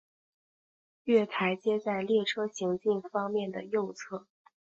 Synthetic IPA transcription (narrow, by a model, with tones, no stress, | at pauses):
ɥɛ˥˩t̪ʰa˧˥ɪt͡ɕjɛ˥t͡sa˥˧ɪljɛ˥˩ʈ͡ʂʰɤ˥ɕi˧˥ŋt͡ɕi˥˩ŋfɑ˥ŋmjɛ˥˩nd̪ə˩jo˥˧ʊt͡sʰɤ˥˩